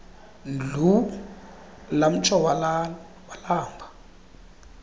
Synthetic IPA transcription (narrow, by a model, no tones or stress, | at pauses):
d͡ɮu | lam̩t͡ʃʰʼɔwalal | walaːŋbʱa